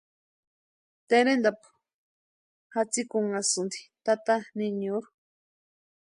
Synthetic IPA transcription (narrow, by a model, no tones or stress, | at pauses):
t̪eɾend̪apu̥ | hat͡sikuŋasund̪i̥t̪at̪aniɲuɾu